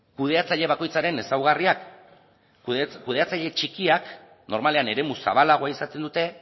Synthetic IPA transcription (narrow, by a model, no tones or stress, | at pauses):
kuð̞e̞at͡saʎe̞β̞ako̞jt͡saɾe̞ne̞sawɣariak | kuð̞e̞at͡saʎe̞t͡ʃikiak | no̞ɾmale̞ane̞ɾe̞musa̰βalaɣ̞o̞aisat̪e̞nd̪ut̪e̞